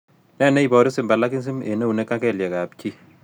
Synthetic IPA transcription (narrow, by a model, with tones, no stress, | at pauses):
nɛ˦˨nɛ˦i˨bɔ˨ɾi˦sɪ˨mba˨la˦ki˦ns̬i˦mḛ˨ne˦u˨nɛ˦kːa˦kɛ˨ljɛ˨ka˨p̚t͡ʃi˦